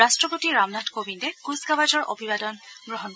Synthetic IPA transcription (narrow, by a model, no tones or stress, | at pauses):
astɹɔpotiɹamnatʰkobindɛkusɡabad͡ʒɔɹʔo̰bʱibadɔnɡɹɔɦɔn